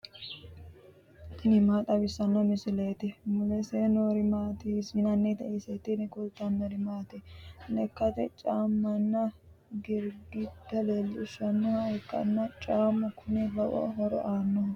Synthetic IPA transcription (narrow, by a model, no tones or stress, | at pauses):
ɪnɪmaːt̪ʼɐbɪsːɐnːɐmɪsɪleːt̪ɛmʊlɛseːnoːɾɪmaːt̪isinɐnːɛt̪ɐʔesɛt̪ːɪnɪkʊlt̪ːɐmːɐɾɪmaːt̪ɛlɛkːɐt̪ɛt͡ʃʼaːmːɐnːɐ | ɡɪɾɡɪd̪ːɐleːlːɪʊʃɐnːʊhɐɛkːɐ̰nːɐt͡ʃʼaːmːʊkʰʊnɛbɐʔɔ̰ɦɔɾɔ̰ʔaːnːɔ